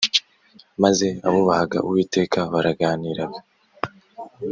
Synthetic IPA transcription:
maze̞a̰βuβaɡa̰ʔuwiːte̞ːkʰaβaɾaɡaːniːɾaɡo

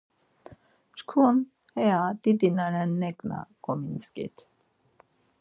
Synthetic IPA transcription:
t͡ʃkʰun | hɛjad̪̥id̪inanɛnːɛkna̰ɡ̥ɔminskḭt̪

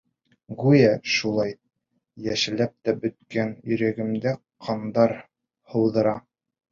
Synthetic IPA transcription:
ɡujæʃulˠɑj | jæʃɘ̆læp̚t̪æbɵ̆t̪̚kænjɵ̆ɾæɡɘ̆md̪æ | qʰɑnd̪ɑɾ | hɤ̆wðɤ̆ɾɑ

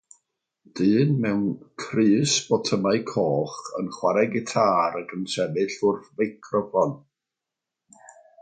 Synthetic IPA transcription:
d̥ɨːnmɛwnkʰrɨːsb̥ɔtʰəmaɨkʰɔːχə̰nχwaɾɛɡɪtʰaːɾəɡənsɛvɨɬʊrθvejkʰrɔfɔn

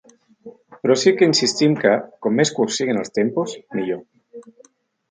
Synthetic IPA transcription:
pɾosikeinsist̪imkakomːeskusiɣenalst̪emposniʝo

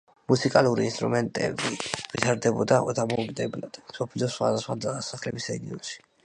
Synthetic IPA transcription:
musikʼalˠuɾiinst̪ʼɾumɛnt̪ʼɛ̰bivit̪ʰaɾd̪ɛbɔd̪aʔɔt̪ʰamɔɡd̪ɛblad̪̥sɔpʰilɔsχwa̰d̪asχwad̪asaχlɛbisɾɛɡiɔnʃi̥

